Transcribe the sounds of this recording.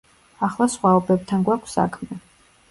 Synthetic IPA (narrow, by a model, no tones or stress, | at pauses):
aχlˠasχwaɔbɛb̚t̪ʰanɡwakʷʰsa̰kʰmɛ